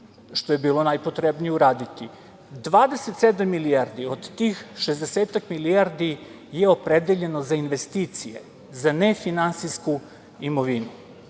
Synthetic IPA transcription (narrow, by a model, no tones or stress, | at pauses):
ʃt̪o̞jebiːlo̞najpot̪ɾebnijeuɾaːd̪it̪i | d̪ʋaːd̪eset̪sed̪amːiliaɾd̪iod̪t̪iːxʃezd̪eseːt̪akmiliaɾd̪i | jeopɾed̪eʎe̞no̞zainʋe̞st̪iːt̪sijḛ | zanefinansisku | imo̞ʋinu